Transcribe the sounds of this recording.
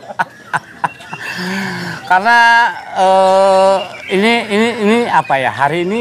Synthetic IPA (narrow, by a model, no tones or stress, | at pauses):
karnaə | iniːniːniapaja̰ɦaɾiːni